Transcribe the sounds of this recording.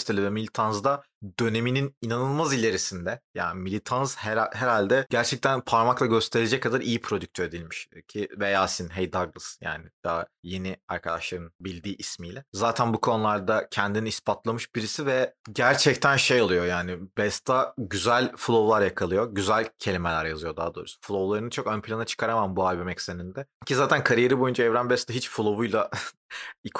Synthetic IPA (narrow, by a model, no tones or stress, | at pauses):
st̪ʰelʲivɛmilʲit̪ʰanzd̪a | d̪ø̞ne̞minininanɯlˠmazilʲe̞ɾisind̪ɛja̰ːnimilʲit̪ʰanzhɛɦeɾalʲd̪ɛɟæɾt͡ʃʰɛc̚t̪ænpʰaɾmaklˠaɟø̞st̪ʰe̞ɾed͡ʒɛckːad̪aɾijipʰɾo̞d̪yc̚t̪ʰøɾd̪ilʲmiʃcʰivejaːsinɦejd̪aɡlˠɯsja̰ːnɪd̪̥aaje̞niaɾkʰad̪aʃlˠaɾɯnbilʲd̪iːʔismijlʲɛzaːt̪ʰænbukʰo̞nulˠaɾd̪acʰɛnd̪iniːspʰat̪lˠamɯʃbiɾisivɛɟæɾt͡ʃʰɛct̪ʰænʃejolˠujo̞jaːnɪbɛst̪ʰaɟyzælʲfulˠo̞vlˠaɾjakʰalˠɯjo̞ɟyzælʲcʰe̞lʲimelʲæɾjazɯjo̞d̪aːd̪o̞ːɾusfulˠo̞vlˠaɾɯnɯt͡ʃʰo̞kønpʰilʲˠanat͡ʃʰɯ̥kʰaɾamambualʲbomɛcsenind̪ɛcʰizaːt̪ʰænkʰaɾije̞ɾibo̞jund͡ʒaɛvɾænbɛst̪aɦit͡ʃfulˠo̞vujlˠa | ikʰ